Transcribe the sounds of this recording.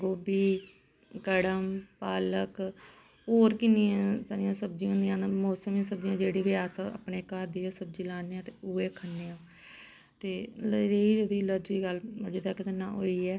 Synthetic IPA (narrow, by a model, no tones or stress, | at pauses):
ɡoːbiː | kəɽəmpaːlək | oːɾkɪnɪjãːsaːɾijãːsəb̚d͡ʒĩjãːnd̪ijãːnmoːsəmãːsəb̚d͡ʒɪjãːd͡ʒeːɽiːʋɪjaːsəə̰pɳeːkaːɾd̪iːãːsəbd͡ʒiːlaːneːãːt̪eːuːeːkʰənːeːãː | t̪eːleiːod̪iːləd͡ʒiːɡələd͡ʒɪd̪aːkɪt̪ənã̰ːɦoːiːɛː